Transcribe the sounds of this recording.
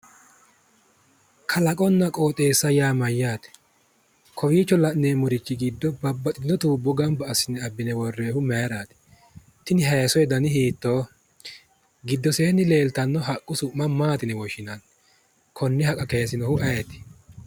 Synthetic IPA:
kʰɐlɐkʼɔnːɐkʼo̞ːt̪ʼeːsːɐjaːmɐjːaːt̪ɛ̥ | kʰɔwiːt͡ʃːɔlɐʔneːmʊɾɪt͡ʃːɪɡid̪ːɔbɐbːɐt̪ʼɪnːɔt̪uːbːɔɡɐmbɐːsːɪnɛɐbːɪnɛwɔrːeːhʊmejɾaːt̪ɛ̥ | t̪ːɪnɪɦɐjɐsɔjɛd̪ɐnɪhiːt̪ːoː | ɡɪd̪ːɔseːnːɪle̞ːlt̪ɐnːɔɦɐkʼːʊsʊʔmːɐmaːt̪ɪnɛwɔʃɪnan | kʰɔnːɪhɐkʼɐkejsɪnɔhʊʔɐjɛt̪ɪ̥

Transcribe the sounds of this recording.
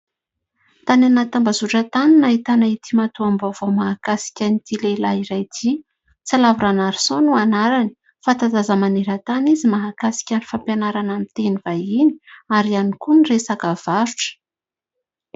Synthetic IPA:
t̪ananat̪ambazuʈ͡ʂət̪aninait̪anait̪imat̪uambovomaɦakasi̥kʲanit̪ilelaiɾajd̪ʰi | t͡salavuɾanaɾi̥sonuanaɾani̥ | fat̪azazəmaneɾət̪anizimaɦakasi̥kʲanifampjanaɾanamit̪enivaini̥aɾianikuniresakav̥aɾuʈ͡ʂə̥

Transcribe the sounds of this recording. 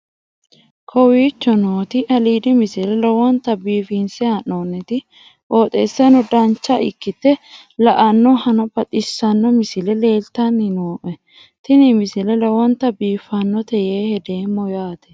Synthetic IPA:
kʰɔwiːt͡ʃːɔnoːt̪ɪʔɐliːd̪ɪmɪsɪlɛlɔwɔnt̪ːɐbiːfiːnsɛɐnoːnːɛt̪ɪ | ʔoːt̪ʼḛːsːɐnɔd̪ɐnt͡ʃːɐʔɪkːɪt̪ːɛ | lɐʔɐnːɔhɐnɔpɐt̪ʼɪsːɐnːɔmɪsɪlɛle̞ːlt̪ɐnːɪnoːʔɛ | t̪ɪnɪmɪsɪlɛlɔwɔnt̪ɐbiːfɐnːɔt̪ɛjeːhɛd̪eːmːɔjaːt̪ɛ̥

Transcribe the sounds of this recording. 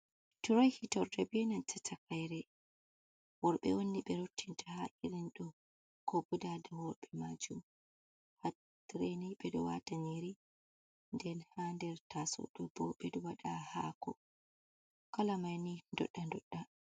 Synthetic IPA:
tuɾajhitɔɾdɛbiɛnantɛtʰakajɾɛ | wɔɾɓɛ̰wonːiɓɛɾotʰːintahaʔiɾinɗɔ | kɔbudadawɔɾɓɛmad͡ʒum | ha | tɾeniɓɛdɔwa̰taɲeɾi | ndɛnhandɛɾtasɔ̰ɗɔbɔɓɛdɔwaɗahakɔ | kalamajnindɔ̰ɗːandɔɗːa

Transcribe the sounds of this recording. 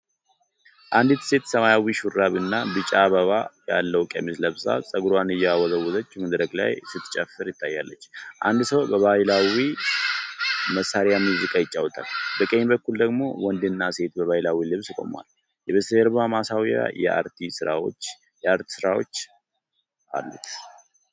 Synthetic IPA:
ʔand̪it̪se̞t̪səmajawiʃuɾːaβɨnːabɨt͡ʃʼaβəβajalːəwkʼə̰misləβsa̰sʼəɡɾwanɨjːɛawɔzəwːʊzət͡ʃːməd̪ɾəɡʼla̰jsɨt̪ːt͡ʃʼɛfːɨɾjɪt̪ʰːajːalːət͡ʃːʔand̪səwbəβajlawi | məsːaɾjamjuzɨkʼajɪt͡ʃʼːawɔt̪ʰalbəkʼeɲbəkːuld̪əɡmo̞̰wɔnd̪ɨnːase̞t̪bəβajilawilɨβskʼo̞̰mwa̰l | jɛβɨsəɾbamasawja̰jɛ̰ʔa̰ɾt̪ʰisɨɾawo̞̰t͡ʃː | jɛaɾt̪ʰi̥sɨɾawo̞̰t͡ʃː | ʔa̰lːṵt̪

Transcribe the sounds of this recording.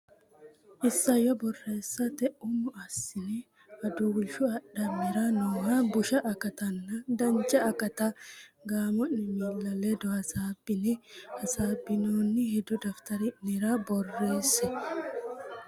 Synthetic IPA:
ʔɪsːɐjɔbɔrːe̞ːsːɐt̪ɛʔʊmʊʔɐsːɪnɛ | ɐd̪ʊɡʊlʃʊɐɗːɐmːɪɾɐnoːhɐbʊʃɐʔɐkɐt̪ɐnːɐd̪ɐnt͡ʃʼːɐɐkɐt̪aɡaːmɔnnɪmilːɐled̪ɔɐsaːbːɪnɛhɐsaːbɪnoːnːɪhɛd̪ɔd̪ɐft̪ɐɾɪnɪɾabɔrːe̞ːsːɛ

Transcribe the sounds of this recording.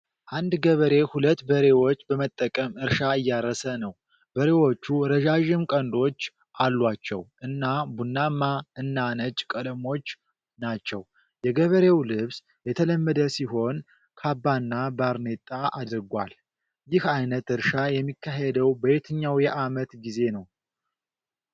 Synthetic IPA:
ʔand̪ɡəβəɾe̞hulət̪ːbəɾe̞wo̞t͡ʃːbəmət̪ʼːəkʼəmɨɾʃaɨjːaɾːəsənəw | b̥əɾe̞wo̞t͡ʃːuɾəʒaʒɪmkʼənd̪o̞t͡ʃː | ʔalːwat͡ʃːɛ̰wʔɨnːabunːamːaɨnːanət͡ʃʼkʼələmo̞t͡ʃː | nat͡ʃːɛw | jɛɡəβəɾewlɨβs | jɛt̪ʰələmːəd̪əsiɦo̞n | kʰabːanːabaɾnet̪ʼːaʔad̪ɨɾɡʷa̰l | jɪhajnət̪ɨɾʃajɛmːikʰːaɦed̪əwbəbet̪ʰɨɲːawjɛʔamət̪ɡize̞nəw

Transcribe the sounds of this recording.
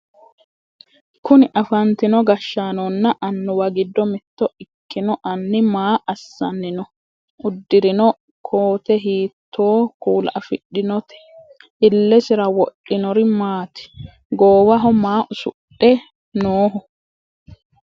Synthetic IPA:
kʊnɪʔɐfɐnt̪ɪnɔɡɐʃːaːnɔnːɐʔɐnːɔwɐɡɪd̪ːɔmɪt̪ːɔɪkːɪnɔʔɐnːɪmaːʔɐsːɐnːɪnɔ | ʔʊd̪ːɪɾɪnɔ | kʰoːt̪ɛɦiːt̪ʰːoːkuːlʔɐfɪɗɪnɔt̪ɛ̥ | ɪlːɛsɪɾɐwɔɗʔːɪnɔɾɪmaːt̪ɪ̥ | ɡoːwɐɦɔmaːʔʊsʊɗɛ | noːɦɔ

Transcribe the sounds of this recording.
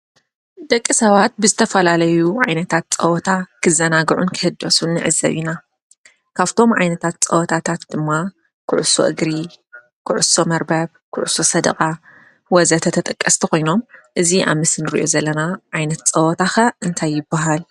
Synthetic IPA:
d̪ɐkʼːisɐβat̪̚bɨzɨt̪ʰɐfɐlalɐjuʕajnɐt̪ʰat̪̚t͡sʼɐwɔt̪ʰakʰɨzɐnaɡʕunkʰɨhɨd̪ːosunːɨʕɨzɐ̰βina | kʰaβt̪ʰo̞mʕa̰jnɐt̪ʰat̪̚t͡sʼɐwɔt̪ʰat̪ʰat̪d̪̥ɨmːa | kʰɨ̰ʕuso̰ʔɨ̰ɡɾi | kʰɨʕʊso̞mɐɾbɐβkʰɨʕuso̞sɐd̪ɐ̰kʼa | wɔzɐt̪ʰɐt̪ʰɐt̪ʼɐkʼːɐst̪ʰiko̞jno̞mʔɨziʔa̰βmɨsɨnɨɾḭʔo̞zɐlːɐnaʕajnɐt̪t͡sʼɐwɔt̪ʰaxɐʔɨnt̪ʰajːɪbːaɦal

